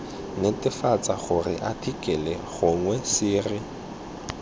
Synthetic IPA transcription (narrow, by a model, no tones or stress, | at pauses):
netʼɪfat͡saɣʊrɪ̰ʔatʰikʼɛlɛɣʊŋwɛsɪːrɪ